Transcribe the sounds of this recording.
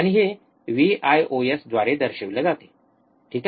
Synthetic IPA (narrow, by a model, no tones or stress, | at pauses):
aɽ̃iɦe | ʋiːʔajʔoesd̪ʋaɾed̪əɾɕeʋled͡zat̪e̥ | ʈʰiːk